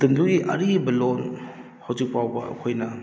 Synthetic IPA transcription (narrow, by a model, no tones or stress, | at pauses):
tɯmduiʔɐɾibɐlon | hawzik̚pawbɐ̰ɐ̰kʰojnɐ